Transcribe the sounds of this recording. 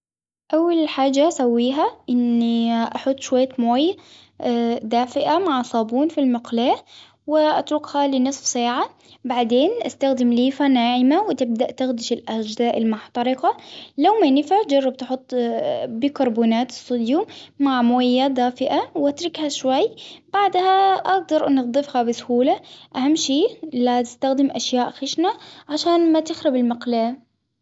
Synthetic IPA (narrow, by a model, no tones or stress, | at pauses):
ʔawːalħaːd͡ʒasawːiːɦaʔɪnːiʔaħʊt̪ˤːʃwajːamoːj | d̪aːfɪʔamaʕsˤɑːbuːnfilmɪqlaː | wɪʔat̪ɾʊkhalɪnɨsˤfsˤaːʕa | baʕd̪eːnʔast̪axd̪ɪmliːfanaːʕɪmawɪt̪ɪb̚d̪aʔt̪axd̪ɪʃɪlʔad͡ʒzaːʔɪlmʊħt̪ˤɑɾɪqɑlawmanɪfaʕt̪d͡ʒɑrˤːɑb̚t̪ħʊt̪ˤːbikɑɾˤbuːnaːt̪ɨ̥sˤːʊd̪jumaʕmjːad̪aːfɪʔawʔat̪ɾɪkhaʃwajːb̥aʕd̪haʔaɡ̚d̪ɑɾˤʔnɪd̪ˤɨfhabɪsʊhuːlaʔahamːʃiːlat̪ɪ̥st̪axd̪ɪmʔaʃjaːʔxɪʃnaʕaʃaːnmat̪ɪxɾabɪlmaqlaː